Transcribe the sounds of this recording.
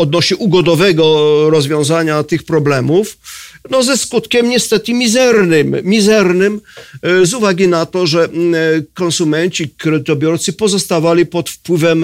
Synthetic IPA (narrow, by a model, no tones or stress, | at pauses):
ɔd̪nɔɕɛʔuɡɔd̪ɔvɛɡɔɾɔzvʲjɔ̃w̃zaɲat̪ɘxpɾɔblɛmufnɔzɛskut̪kʲɛmɲɛst̪ɛt̪ɘmʲizɛɾnɘmmʲizɛɾnɘmzuvaɡʲinat̪ɔʐɛkɔnsumɛnt͡ɕikɾɛd̪ɪt̪ɔbʲjɔɾt̪sɘpɔzɔst̪avalʲipɔt̪fpwɘvɛm